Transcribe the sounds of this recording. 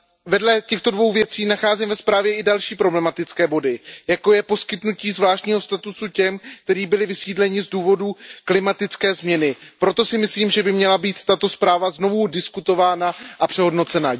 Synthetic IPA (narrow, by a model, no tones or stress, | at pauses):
vɛdlɛcɛxt̪o̞dvo̞wvjɛt͡siːnaxaːzimvɛspɾaːvjɛʔɪdalʃiːpɾo̞blɛmat̪ɪt͡skɛːbo̞dɪjako̞jɛpo̞skɪt̪nuciːzvlaːʃtɲiːɦo̞st̪at̪usucɛmk̚t̪ɛɾiːbɪlɪvɪsiːdlɛɲɪzduːvo̞duklɪmat̪ɪt͡skɛːzmɲɛnɪpɾo̞t̪o̞sɪmɪsliːmʒɛbɪmɲɛlabiːt̪ːat̪o̞spɾaːvazno̞vudɪskut̪o̞vaːnaʔapr̝̥ɛɦo̞dno̞t͡sɛna